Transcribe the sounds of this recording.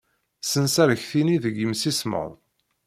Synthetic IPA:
sənsæɾəçθiniðəɡəmsismə̰ðˤ

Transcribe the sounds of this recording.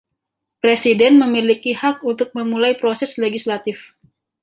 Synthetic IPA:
pɾesidɛnməmilikihak̚unt̪ʊk̚məmulajpɾosɛsleɡislat̪ɪf

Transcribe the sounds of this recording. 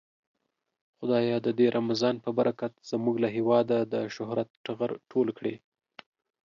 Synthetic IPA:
xʊd̪ɑjɑd̪əd̪eɾʔamazɑnpəbaɾʔakat̪z̥əmuɡlaɦewɑd̪ad̪əʃʊhɾat̪ʈaɣaɾʈʰolkɽe

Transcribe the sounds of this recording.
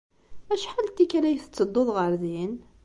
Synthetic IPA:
æʃħalt̪ːikælæjθə̥t͡sːəd̪ˤːoðˤʁəɾˤðin

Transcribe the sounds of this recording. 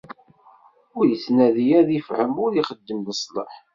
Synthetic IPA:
ʊɾjət͡sːnæðijæðifhəmʊɾiχəd̪ːəmləsˤlˤə̰ħ

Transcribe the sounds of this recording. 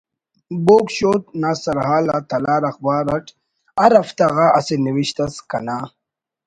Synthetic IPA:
boːkɕoːt̪̚naːsɐɾɦaːlat̪ɐlaːɾɐxbaːɾɐʈ | ɐɾɐft̪ɐɣaʔɐseniwiɕt̪ɐskɐnaː

